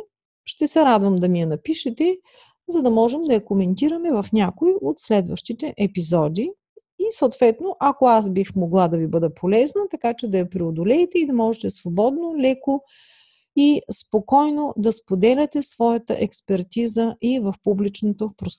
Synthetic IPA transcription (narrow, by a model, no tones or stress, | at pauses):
ʃt̪ɛsɛɾad̪vəmd̪ɐmijɛnɐpiʃɛt̪ɛ | zɐd̪ɐmɔʒɛmd̪ɐjɐkomɛnt̪iɾɐmɛvɐfnʲakoiʔot̪slɛd̪vəʃt̪it̪ɛʔɛpizɔd̪i | isəwt̪vɛt̪noʔɐkoasbixmoɡlˠad̪ɐvibɤd̪əpʰolɛznɐt̪ɐkat͡ʃɛd̪ɐjɐpɾɛod̪olɛjt̪ɛid̪ɐmɔʒɛt̪ɛsvobɔd̪nolɛko | ispokɔjnod̪ɐspod̪ɛlʲɛt̪ɛsvɔjɐt̪ə̰ʔɛkspɛɾt̪izəʔivɐfpublit͡ʃnot̪opɾost̪